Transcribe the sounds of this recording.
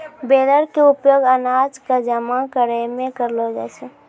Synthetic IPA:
bed̪əɾkeʊpjoːɡənad͡ʒkad͡ʒəmakəɾəmẽkəɾlod͡ʒa̰t͡ʃʰe

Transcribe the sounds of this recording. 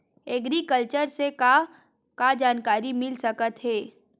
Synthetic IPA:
ɛɡɾikəlt͡ʃəɾse | kad͡ʒaːnkaːɾimɪlsɐkət̪ɦɛː

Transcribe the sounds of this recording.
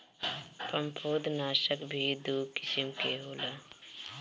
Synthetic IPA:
pə̃mpʰoːd̪naːʃəkbʱid̪ukɪsɪmkeɦoːlaː

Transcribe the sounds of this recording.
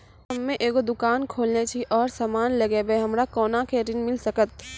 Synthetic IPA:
ɦɐmːẽʔeːkod̪ʊkaːnkʰoːlnet͡ʃʰiʔɔːɾsaːmaːnlɐɡebeɦɐmɾakɔːnakʰeːɾɪnmɪlsɐkət̪̚

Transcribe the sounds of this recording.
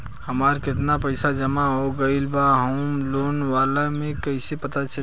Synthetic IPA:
hɐmaːɾkɪt̪napɐɪsad͡ʒɐmaɦoɡɐɪlbaɦoːmloːnʋaːlamẽkɐɪsepɐt̪at͡ʃɐ

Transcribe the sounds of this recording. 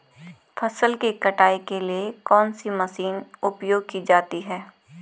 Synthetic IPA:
fʰɐsəlkekɐʈaːekeliekɔːnsimɐsiːnʊpjoːɡ̚kid͡ʒaːt̪iɦɛː

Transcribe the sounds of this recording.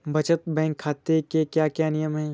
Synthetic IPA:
bʱɐt͡ʃət̪̚bɛ̃ːŋkʰːaːt̪ekekjaːkjaːnɪjəmɦɛː

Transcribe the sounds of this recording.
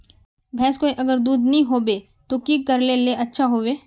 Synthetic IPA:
bʱɛːskoːiʔɐɡəɾd̪uːd̪nəɦĩɦoːbeː | t̪okikɐɾleleʔɐtːʃʰaɦoːʋeː

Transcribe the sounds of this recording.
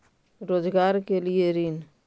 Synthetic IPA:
ɾod͡ʒɡaɾkelieɾin

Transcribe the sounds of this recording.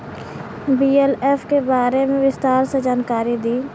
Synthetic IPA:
biːeleːfʰkebaːɾemẽʋɪst̪aːɾsed͡ʒaːnkaːɾid̪iː

